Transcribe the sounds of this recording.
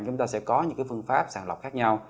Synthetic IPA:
t͡ɕʊ˨˦ŋ͡mt̪aː˧sɛ̰˧˥kɔ˨˦ɲɨ̰˧˥ŋkaː˨˦fɨ˧əŋfaː˦˥p̚saː˧˩nlə̰˨˩k͡p̚xaː˦˥k̚ɲa˧w

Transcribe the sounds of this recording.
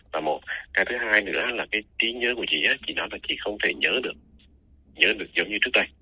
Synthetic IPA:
vaː˨˩mo˨˩t̚kaː˨˧˦t̪ʰɨ˨˦haː˧jnɨ̰˧˥əʔaː˨˦laː˨˩kaː˨˦jt̪i˨˦ɲəː˨˦ku˧˩ət͡ɕḭ˧˨ʔaː˨˦t͡ɕḭ˧˨nɔ˨˦jlaː˨˩t͡ɕḭ˧˨xə˧wŋ͡mt̪ʰe˧˩ɲəː˨˦ɗɨ˨˩ək̚ | ɲəː˨˦ɗɨ˨˩ək̚zə˨˦wŋ͡mɲɨ˧t͡ɕɨ˦˥ək̚t̪ə˧j

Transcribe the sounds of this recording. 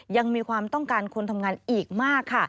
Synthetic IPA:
ja˧ŋmiː˧kʰwaː˧mt̪ɔ˥˩ŋkaː˧nkʰu˧nt̪ʰa˧mŋaː˧nʔiː˨˩k̚maː˥˩kʰːa˥˩

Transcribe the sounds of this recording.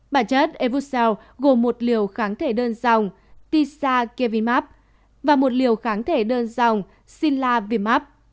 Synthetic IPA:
ɓaː˧˩t͡ɕə˦˥t̚ʔe˧vu˦˥sɛ˧w | ɣo˨˩mːo˨˩t̚li˨˩əwxaː˨˦nt̪ʰe˧˩ɗəː˧nza˨˩wŋ͡m | t̪i˧saː˧ke˧vi˧maː˦˥p̚ | vaː˨˩mo˨˩t̚li˨˩əwxaː˨˦nt̪ʰe˧˩ɗəː˧nza˨˩wŋ͡m | si˧nlaː˧vi˧maː˦˥p̚

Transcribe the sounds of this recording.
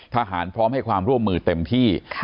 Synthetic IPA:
t̪ʰa˧ɦaː˩˦npʰɾɔː˦˥mha˥˩jkʰwaː˧mɾu˥˩əmːɯː˧t̪e˧mt̪ʰiː˥˩

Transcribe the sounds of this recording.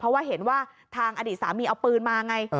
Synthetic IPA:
pʰɾɔ˦˥waː˥˩ɦe˩˦nwaː˥˩t̪ʰaː˧ŋʔa˧diː˨˩t̪̚saː˩˦miː˧ʔa˧wpɯː˧nmaː˧ja˧ŋa˧j

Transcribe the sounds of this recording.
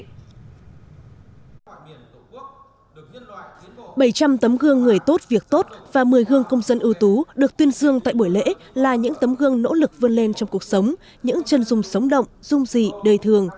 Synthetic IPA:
ɓə˧˩jt͡ɕa˧mt̪ə˨˦mɣɨ˧əŋːɨ˨˩əjt̪o˦˥t̚vi˨˩ək̚t̪o˦˥t̚vaː˨˩mɨ˨˩əjɣɨ˧əŋkə˧wŋ͡mzə˧nʔɨ˧əwt̪u˨˦ɗɨ˨˩ək̚t̪wi˧ənzɨ˧əŋt̪a̰ː˧˨jɓu˧˩jlḛ˧˥ | laː˨˩ɲɨ̰˧˥ŋt̪ə˨˦mɣɨ˧əŋno̰˧˥lɨ˨˩k̚və˧nle˧nt͡ɕɔ˧wŋ͡mku˨˩ək̚sə˨˦wŋ͡m | ɲɨ̰˧˥ŋt͡ɕə˨˩nzʊ˨˩ŋ͡msə˨˦wŋ͡mɗə̰˧˨wŋ͡mz̥ʊ˧ŋ͡mzḭ˧˨ɗəː˨˩jt̪ʰɨ˨˩əŋ

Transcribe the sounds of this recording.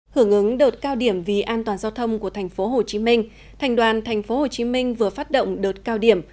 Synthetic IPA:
hɨ˧˩əŋʔɨ˨˦ŋɗəː˨˩t̚kaː˧wɗi˧˩əmvi˨˩ʔaː˧nt̪waː˨˩nzaː˧wt̪ʰə˧wŋ͡mku˧˩ət̪ʰɛ˨˩jŋ̟fo˨˦ɦo˨˩t͡ɕi˨˦mï˧ŋ̟ | t̪ʰɛ˨˩jŋ̟ɗwaː˨˩nt̪ʰɛ˨˩jŋ̟fo˨˦ho˨˩t͡ɕi˨˦mi˧ŋ̟vɨ˨˩əfaː˦˥t̚ɗo̰˧˨wŋ͡mɗə˨˩t̚kaː˧wɗi˧˩əm

